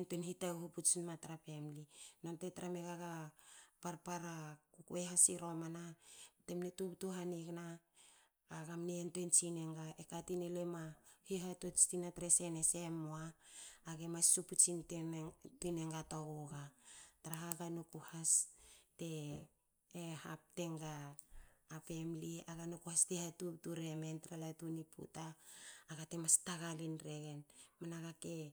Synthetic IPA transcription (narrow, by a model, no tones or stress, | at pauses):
npenhitawhuput͡ʃinmataɾape̞mlinontetaɾameɡaɡapaɾpaɾakukueɦasiɾo̞manatemnetuptuɦaniɡnaː | ɡamneentent͡ʃineŋɡaʔekatinelemahiɦatot͡ʃtinatɾesenesemoaːɡemasːuput͡ʃintetuneŋɡatoɡoɡataɾaɦaɡanukuhaste̞ː | hap̚te̞ŋɡaː | pe̞mliaɡanukuhastehatutuɾe̞me̞ntɾalatunipṵtaːɡatemastaɡalinɾe̞ɡe̞nmanaɡake